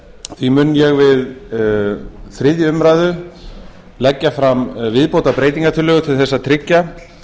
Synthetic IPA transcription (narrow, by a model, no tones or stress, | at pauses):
θvimʏnjɛɣvɪð | θɾɪðjʏʏmɾaːjðʏ | lɛcːafɾamvɪðpowt̪apɾeːjt̪iŋkat̪ʰʏlʏɣʏt̪ʰɪlθɛsːat̪ʰɾɪcːa